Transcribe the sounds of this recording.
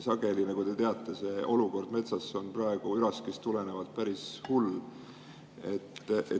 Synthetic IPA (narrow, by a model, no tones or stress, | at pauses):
sɑɡe̞linɑkud̪e̞t̪e̞ɑt̪ˑːe̞se̞ʔo̞luko̞rd̪̥me̞t̪sɑsːo̞nprɑeɡ̥uyɾɑskest̪ule̞ne̞vɑt̪̚pæɾishul | e̞t̪ːe